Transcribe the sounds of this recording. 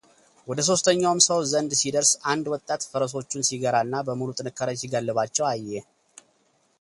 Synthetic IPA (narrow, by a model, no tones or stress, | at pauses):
wɔd̪əs̬o̞st̪ʰəɲːawmsəwzənd̪sid̪əɾsand̪wɔt̪ʼːat̪fəɾəs̬o̞t͡ʃːunsiɡəɾaɨnːabəmulut̪ʼɨnɨkʰːaɾəɲsiɡəlːɨβat͡ʃːɛwajːe